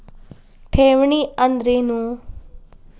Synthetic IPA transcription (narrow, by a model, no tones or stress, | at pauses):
ʈʰeːʋɳiɐnd̪ɾenu